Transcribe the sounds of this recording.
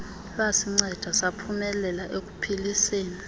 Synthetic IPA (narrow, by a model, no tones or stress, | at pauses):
lwasiŋ͡ǀɛd̥ʱasapʰumɛlɛlaʔek̬u̥pʰiliseːni